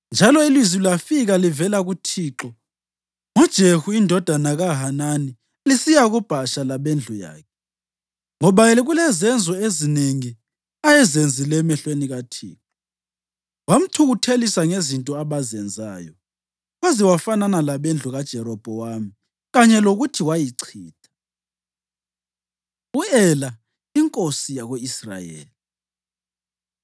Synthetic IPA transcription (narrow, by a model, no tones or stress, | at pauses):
nd͡ʒʱalɔilwizilwafiɣalivɛlaɣutʰiːǁɔ | ŋɔd̥ʒ̥ʱehuindʱɔd̥ʱanaɣaɦanani | lisijaɣub̥ʱaʃalaβend͡ɮʱuja̰ːkʰɛ | ŋɔβajɛliɣulɛzɛnd͡zʱɔezineŋi | ajɛzend͡zʱilɛmɛɬweniɣatʰḭːǁɔ | wam̩tʰuɣutʰelisaŋezintʼɔaβazɛnd͡zʱajɔ | waziwafananalaβend͡ɮʱuɣad̥ʒ̥ʱɛɾɔb̥ʱɔwaːmi | ɣaɲɛloɣutʰiwajiǀʰiːtʰʼḁ | uɛla | iŋkʼosijaɣoisra̰jḛːli